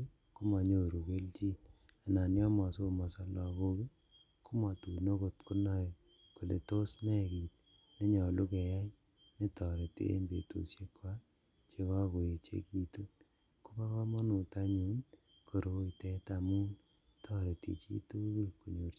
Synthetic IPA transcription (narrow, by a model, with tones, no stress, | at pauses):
ku˦ma˨ɲo˨ɾu˨ke˦lt͡ʃi˦na˨na˨njɔ˦mɔ˨so˦mɔ˨sa˦lɔ˨ko˦ki˦ | ku˦ma˨tu˨no˦ko˨tku˦nɔ˦j | ko˨le˨to˦snɛ˦˨ki˨t̚ | ne˦ɲɔ˨lu˦kɛ˨ja˦j | ne˦tɔ˨ɾe˨tḛ˦ḛ˦mbḛ˨to̰˨sje˦kwa˦ | t͡ʃe˦ka˦ko˨je˨t͡ʃḛ˦ki˨tu˦t | ku˦pa˦kɔ˦mɔ˦nu˨ta˦ɲu˦n | kʰo˨ɾo˨˦tɛ˦ta˨mu˦n | tʰɔ˦ɾe˨tḭ˨t͡ʃḭ˦tu˦ki˦ku˨ɲo˨ɾ